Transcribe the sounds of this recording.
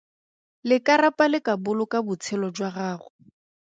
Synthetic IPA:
lɪkaɾapʼalɪkabʊlʊkabʊt͡sʰɛlɔd͡ʒwaɣaːɣʊ

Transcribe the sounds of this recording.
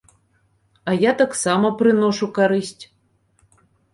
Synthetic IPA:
ɐjat̪aksamɐpɾɨnɔʂukaɾɨsʲtʲ

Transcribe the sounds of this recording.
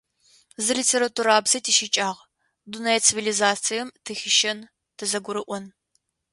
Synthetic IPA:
zɨlitʰeːɾɐtʰuːɾaːbzɐjtʰiʃit͡ʃʼaːʁ | dunɐjt͡sʰivilizaːt͡sʰijɛmtʰɨxʲɪʃɐn | tʰɨzɐɡʷʊɾɨʔʷɔn

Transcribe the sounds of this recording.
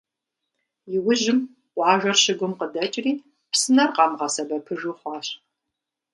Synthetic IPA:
jɪwʊʒɪm | ʔʷɑːʒʷɐrɕɪɡʷʊmqədɐt͡ʃʼriː | psɨnɐrqɑmʁɐsɐbɐpʰɨʒuχʷɑːɕʼ

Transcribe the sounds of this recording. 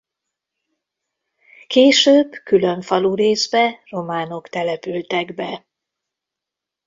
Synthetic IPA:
keːʃøːbkylø̞ɱfɒluɾeːzbɛro̞maːno̞kt̪ɛlɛpylt̪ɛɡbɛ

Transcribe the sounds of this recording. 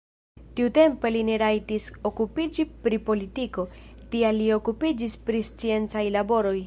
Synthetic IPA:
tiute̞mpe̞line̞ɾajtiso̞kupid͡ʒipɾipo̞litiko̞tialːio̞kupid͡ʒispɾist͡sie̞nt͡sajlabo̞ɾo̞j

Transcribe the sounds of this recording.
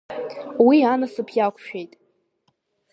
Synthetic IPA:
wianasɨpʰjakʷʰʼʃᶣejtʼ

